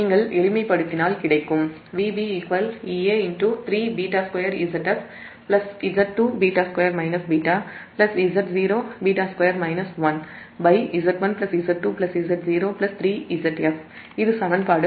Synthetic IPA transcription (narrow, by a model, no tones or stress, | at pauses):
niːŋɡɐɭɛɭɪmɐɪpːɐɽɯt̪ːɪnaːlkɪɽɐɪkːɯm | ʋiːbiːɪkʋɐliːeːɪnʈut̪ɾiːbiːʈaːskɐjɐɾiːsɐʈɐf | plɐsizɐʈ̚ʈːuːbiːʈaːskwɐjɐɾmɐɪnɐsbiːʈaːplɐsiːzɐʈziːɾoːbiːʈaːskwɐjɐɾmɐɪnɐsʋɐn | bɐɪizɐʈʋɐnplɐsiːzɐʈ̚ʈːuːplɐsiːzɐʈziːɾoːplɐst̪ɾiːʔiːzɐʈːɛf | ɪðɯsɐʋɐnpaːɽɯ